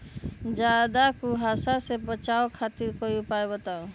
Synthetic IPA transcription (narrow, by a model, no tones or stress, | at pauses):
d͡ʒad̪akuɦasasebət͡ʃaokʰat̪iɾkojupaebət̪ao